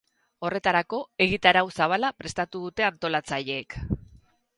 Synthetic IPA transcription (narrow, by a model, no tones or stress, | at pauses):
o̞re̞t̪aɾako̞e̞ɣit̪aɾawsaβ̞alapɾe̞st̪at̪uðut̪e̞ant̪o̞lat͡saʎe̞ːk